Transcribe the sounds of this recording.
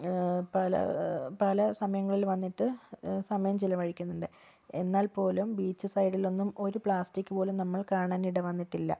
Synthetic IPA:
pɐlɐ̰pɐlɐsɐmɐjɐŋːɐɭilʋɐnːiʈːɨsɐmɐjɐmt͡ɕilɐʋɐɻikʲːunːuɳɖɨ | e̞nːaːlpo̞ːlumbiːt͡ɕːɨsɐjɽilo̞nːumo̞ɾupɭaːsʈikʲːɨpo̞ːlunɐmːɐɭkaːɳaːniɽeʋɐnːiʈːilːɐ̰

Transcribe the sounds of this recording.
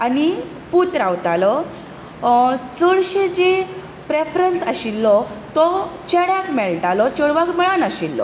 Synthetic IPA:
ani | put̪ɾaʋt̪alɔ | t͡səɭɕed͡ʑe | pɾefɾənsaɕilːɔt̪ɔt͡ɕeɽjakmɛɭʈalɔt͡ɕəɽʋakmɛɭanaɕilːɔ̰

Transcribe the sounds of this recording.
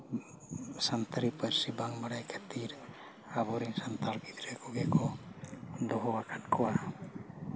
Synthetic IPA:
sant̪ʰaɾipəɾsibaŋbaɽajkʰət̪iɾ | abɔɾiŋsant̪alpit̪ɾɛkɔɡɛkɔ | d̪ɔɦɔwakʰaʈ̚kʰɔwa

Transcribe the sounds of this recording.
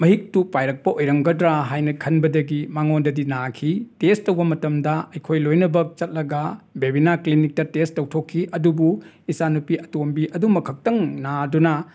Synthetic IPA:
mɐɦik̚tupajɾɐk̚pɐojɾɐŋɡɐdɾaɦajnɐkʰɐnbɐdɐɡimaŋondɐdinakʰitestɐwbɐmɐtɐmdɐɐjkʰojlojnɐbɐk̚t͡ʃɐt̚lɐɡɐbebinaklinik̚tɐtestɐwtʰokʰːiʔɐdubu | isanupiɐtombiʔɐdumɐkʰɐk̚tɐŋnadunɐ

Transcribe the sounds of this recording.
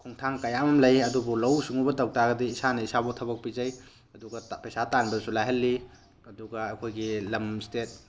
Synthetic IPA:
kʰuŋtʰaŋkɐjamɐmlɐjɐdubulɐwsuŋubɐtɐw̚tʰaɡɐdiːsanɐisabutʰɐbɐk̚pizɐj | ɐduɡɐpɐjsatanbɐsulajɦɐlːi | ɐduɡɐɐkʰojɡilɐmstet̚

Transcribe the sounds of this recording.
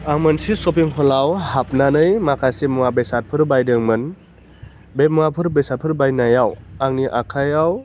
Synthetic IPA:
aŋmɯnsisɔpiŋɦʰɔlawhap̚nanɯjmakʰasimɔwabesat̚pʰɯɾbajdɯŋmɯn | bemŋapʰɯɾbesat̚pʰɯɾbajnajawaŋniʔakʰajaw

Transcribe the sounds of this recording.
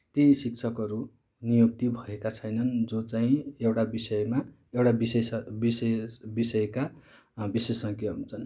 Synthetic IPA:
t̪isik̚t͡sʰʌkʌɾu | nijuk̚t̪ibʱʌekat͡sʰʌjnʌnd͡zot͡saĩewʈabisʌjma | ewʈabisesbisesbisʌjeka | bisesʌŋkjeɦunt͡sʰʌn

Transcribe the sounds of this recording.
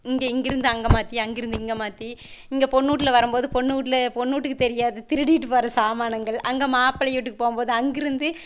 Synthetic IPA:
ɪŋɡeɪŋɡɪɾɯnd̪ɯɐŋɡɐmaːt̪ːiɐŋɡɪɾɯnd̪ɯɪŋɡɐmaːt̪iɪŋɡepɔɳːuːʈːɪlɐʋɐɾɯmpoːðɯpɔɳːuːʈːɪlɐpɔɳːuːʈːɯkːɯt̪ɛɾɪjaːðɯt̪ɪɾɯɽiːʈːɯpɐɾɐsaːmaːnɐŋɡɐɭʔɐŋɡɐmaːpːɐlɐjɪʈːɯkːɯ̥poːmpoːðɯɐŋɡɪɾɯnd̪ɯ

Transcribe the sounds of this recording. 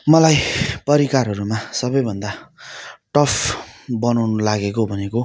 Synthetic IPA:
mʌlajpʌɾikaɾɦʌɾumasʌbʌjbʱʌnd̪a | ʈʌpʰbʌnawnʌlaɡekobʱʌneko

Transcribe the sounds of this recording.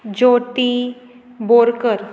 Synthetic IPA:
d͡ʑoʈi | boɾkəɾ

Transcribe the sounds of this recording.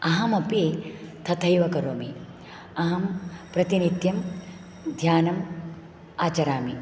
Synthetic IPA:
ɐɦɐmɐpit̪ʰɐt̪ʰɐjʋɐkɐɾoːmi | ɐɦɐmpɾɐt̪inid̪jɐm | d̪ʱjaːnɐm | aːt͡ʃɐɾaːmi

